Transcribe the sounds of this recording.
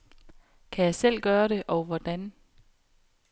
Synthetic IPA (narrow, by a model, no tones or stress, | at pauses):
kʰæjɑ̈ɪsel̰ɡ̥ɶːɐɾe̝ʔɒ̽ʊʋɒd̥æn